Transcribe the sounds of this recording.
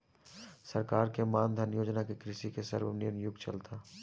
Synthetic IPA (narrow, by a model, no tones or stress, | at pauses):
sɐɾkaːɾkemãːnd̪ʱənjoːd͡ʒnakekɾɪʃikesɐ̰ɾwnɪɾnjʊɡt͡ʃɐlt̪ʰa